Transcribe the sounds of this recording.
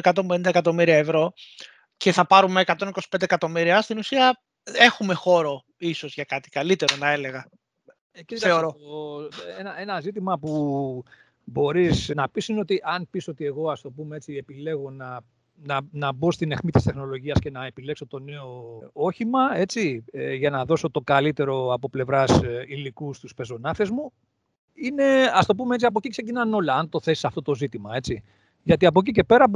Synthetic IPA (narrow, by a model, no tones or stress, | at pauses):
ekɐt̪o̞mbenind̪ekɐt̪o̞miɾiɐevɾo̞ | ce̞θɐpɐɾumeːkɐt̪o̞niko̞si̥pend̪ekɐt̪o̞miɾiɐst̪inusiɐ | e̞xume̞xo̞ɾo̞ | iso̞zʝɐkɐt̪i̥kɐlit̪e̞ɾo̞nɐe̞le̞ɣɐ | iθeoɾo | enɐʔe̞nɐzit̪imɐpu | bo̞ɾisnɐpisineo̞t̪iʔɐnpiso̞t̪ie̞ɣo̞ɐst̪o̞pumee̞t͡siepile̞ɣo̞nɐ | nɐnɐbo̞st̪ine̞xmit̪ist̪e̞xno̞lo̞ʝiɐsce̞nɐe̞pile̞kso̞t̪o̞ne̞o̞o̞çimɐe̞t͡siʝɐnɐðo̞so̞t̪o̞ɡalit̪e̞ɾo̞ɐpo̞ple̞vɾɐsilikust̪uspe̞zo̞nɐθezmu | ine̞ɐst̪o̞p̬umee̞t͡siɐp̬o̞cikse̞cinɐno̞lɐɐnt̪o̞θe̞si̥sɐft̪o̞t̪o̞zit̪imɐe̞t͡si | ʝɐt̪iɐp̬o̞c̬ice̞pe̞ɾɐ